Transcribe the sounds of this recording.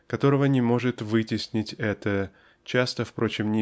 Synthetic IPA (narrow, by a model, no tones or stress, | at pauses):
kɐt̪o̞ɾəvənʲɪmo̞ʐɨt̪vɨtʲɪsʲnʲɪtʲɛt̪ə | t͡ɕast̪əfpɾo̞t͡ɕɪmnʲɪ